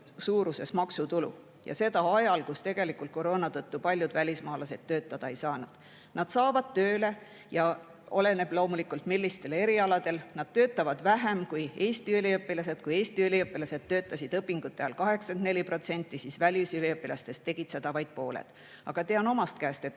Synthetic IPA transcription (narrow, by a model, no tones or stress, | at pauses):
suːɾuse̞smɑksut̪ulṵ | jɑ̰se̞d̪ɑɑjɑlkust̪e̞ɡ̥e̞likˑult̪̚ko̞ɾo̞ːnɑt̪ɤt̪ːupɑlʲjud̪vælʲismɑːlɑse̞d̪̥t̪ːø̞ːt̪ˑːɑd̪̥ɑejsɑːnud̪̥ | nɑd̪̥sɑːvɑd̪̥̚t̪ø̞ːle̞ | jɑ | o̞le̞ne̞b̥lo̞ːmulikːˑult̪milːist̪e̞le̞ɾiɑlɑd̪̥e̞lnɑd̪̥̚t̪ø̞ːt̪ːˑɑvɑd̪̥væɦemkuje̞ːst̪iyliɤpːilɑse̞d̪̥kuje̞ːst̪iyliɤpːˑilɑse̞d̪̥t̪ːø̞ːt̪ˑːɑsid̪ɤpːˑiŋɡ̥ut̪ˑːeɑlkɑɦe̞ksɑ̥end̪nelʲipɾro̞t̪se̞nʲt̪ˑːisisvælʲisyliɤpːilɑst̪e̞st̪ːeɡ̥it̪sed̪̥ɑvɑjd̪̥̚po̞ːlḛd̪̥ | ɑɡ̥ɑt̪eɑno̞mɑst̪̚kæːst̪et̪